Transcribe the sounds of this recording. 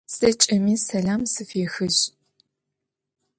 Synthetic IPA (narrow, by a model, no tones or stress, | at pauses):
sɐt͡ʃʼɐmiːsɐɮaːmsɨfeːxɨʑ